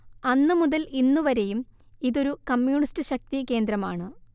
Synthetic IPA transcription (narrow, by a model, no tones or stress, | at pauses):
ɐnːɨmuðɐlinːuʋɐɾe̞jum | iðo̞ɾukɐmjuːɳistɨɕɐk̚t̪ike̞ːnd̪ɾɐma̰ːɳɨ